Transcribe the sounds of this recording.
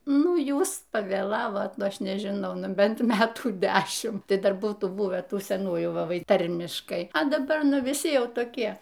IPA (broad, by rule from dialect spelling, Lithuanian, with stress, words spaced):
ˈnʊ ˈjuːs pɐʋʲeːˈlˠɑːʋoːt ˈnʊ ˈɐʃ nʲɛʒʲɪˈnɐʊ ˈnʊ ˈbʲɛnt ˈmʲæːtuː ˈdʲæːʃʲɪm ˈtɐɪ ˈdɐr ˈbuːtuː ˈbʊʋʲæː ˈtuː sʲɛˈnuːjuː ˈʋɐ ˈʋɐɪ ˈtɐrʲmʲɪʃkɐɪ ɐ dɐˈbɐ ˈnʊ ʋʲɪˈsʲɪ ˈjɛʊ toːˈkʲiɛ